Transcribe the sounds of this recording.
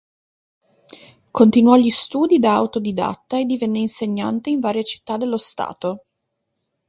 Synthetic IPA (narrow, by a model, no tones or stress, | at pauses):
kont̪inwɔʎist̪uːd̪id̪aawt̪od̪id̪a̰t̪ːaed̪ːivenːeinseɲːa̰nt̪eiɱvaːɾjet͡ʃi̥t̪ːad̪ːelːost̪a̰ːt̪o